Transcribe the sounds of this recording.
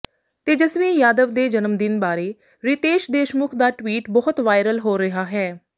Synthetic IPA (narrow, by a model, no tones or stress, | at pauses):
t̪eːd͡ʒəsʋĩːjaːd̪əʋd̪eːd͡ʒənəmd̪ɪnbaːɾeː | ɾɪt̪eːʃd̪eːʃmʊkʰd̪aːʈwiːʈbɔɦʊt̪ʋaːɪɾəlɦoːɾɪɦaːɦɛː